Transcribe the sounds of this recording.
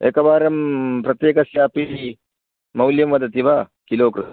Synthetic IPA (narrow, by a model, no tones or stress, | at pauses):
ḛːkɐbaːɾɐmpɾɐt̪jeːkɐsjaːpii | mɐwljɐmʋɐd̪ɐt̪iʋakiloːkɾu